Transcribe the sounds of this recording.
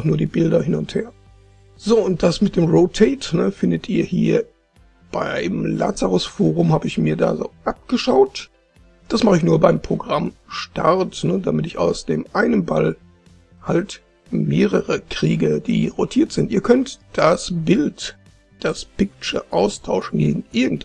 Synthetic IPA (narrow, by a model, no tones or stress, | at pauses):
χnuːɐdiːbɪldɐhɪnʊntheːɐ | z̥oːʊnt̚d̥asmɪt̚d̥eːmʁoːtʰɛɪtnəfɪndətʔiːɐhḭːɐ | b̥aɪmla̰ːt͡saʁʊsfoːʁ̞ʊmhaːbəɪçmiːɐda̰ːzo̰ːʔap̚ɡ̥əʃaʊt | d̥asmaχəɪçnuːɐbaɪmpʁ̥oɡʁamʃta̰ʁtnədamɪtɪça̰ʊsd̥ḛːmʔaɪnənba̰l | halt | meːʁəʁəkʁ̥iːɡəd̥ḭːʁotʰiːɐtz̥ɪntʔiːɐkʰœntd̥asbɪlt | d̥aspɪk̚t͡ʃə̰ʔaʊstʰaʊʃn̩ɡḛːɡŋ̩ʔɪɐɡŋ̩t